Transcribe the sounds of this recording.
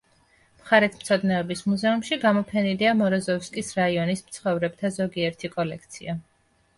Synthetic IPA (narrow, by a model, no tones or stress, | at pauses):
mχaɾɛt̪ʰmt̪sʰɔd̪nɛɔbismuzɛumʃiɡamɔpʰɛniliamɔɾɔzɔfskʼisɾaiɔnismt̪sʰχɔvɾɛbt̪ʰazɔɡiɛɾt̪ʰikʼɔlɛk̚ʰt̪sʰia